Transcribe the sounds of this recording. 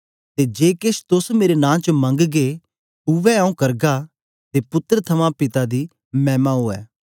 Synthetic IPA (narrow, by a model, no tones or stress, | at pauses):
t̪eːd͡ʒeːkɪʃt̪ʊsmeːɾenãːt͡ʃmɐ̃ŋɡɡe | ʊʋɛaũkɐɾɡa | t̪eːpʊt̪əɾt̪ʰɐmãpɪt̪ad̪iː | mɛːmaɦoːɛ̰ː